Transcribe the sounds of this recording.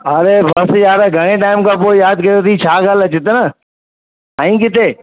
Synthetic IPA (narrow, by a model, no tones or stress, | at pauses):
ɐɾebɐsjaːɾaɡʱɐɽ̃eʈaːɪmkʰãːpoːɪjaːd̪kɐjot̪ʰit͡ɕʰaːɡaːlɐt͡ɕɪt̪ənə | ɐ̃ĩːkɪt̪ʰeː